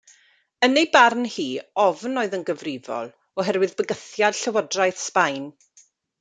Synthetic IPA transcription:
ənejbarnhiːɔvnoːɨðənɡəvrɪvɔ̰lˠ | ɔɦɛrwɨðbəɡəθjad̥ɬəwɔdrajθspajn

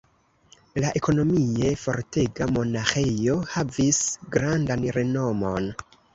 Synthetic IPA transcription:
laʔe̞ko̞no̞mie̞fo̞̰ɾte̞ɡamo̞naxejo̞havisɡɾandanɾe̞no̞mo̞n

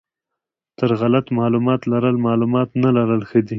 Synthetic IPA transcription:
t̪əɾɣalat̪mɑlumɑt̪laɾəlmɑlumɑt̪nalaɾəlxəd̪i

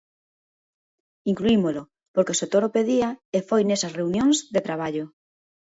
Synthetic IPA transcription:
iŋkluimolo | poɾkesot̪oɾopeðiaefojnesasreunjõŋzðet̪ɾaβ̞aʎo

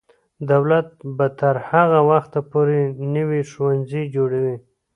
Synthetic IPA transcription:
d̪awlat̪̚bat̪aɾhaɣawaxt̪apoɾenəwiʃuwanzid͡ʒoɽawi

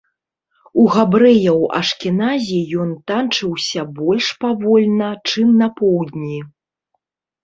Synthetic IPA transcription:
uɣabɾɛjɐwɐ̰ʂkʲinazʲijɔnt̪ant͡ʂɨwsʲɐbɔlʲʂpavɔlʲnɐt͡ʂɨmnɐpɔwd̪ʲnʲi

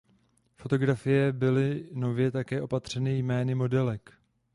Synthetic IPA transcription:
fo̞t̪o̞ɡɾafɪjɛbɪlɪno̞vjɛt̪akɛːʔo̞pat̪r̝̥ɛnɪjmɛːnɪmo̞dɛlɛk

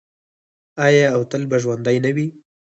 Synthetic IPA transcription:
ajɑːwt̪əlbaʒwand̪ajnawi

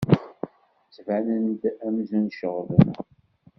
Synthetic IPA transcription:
t͡sːvænənd̪æmzənʃəʁlən

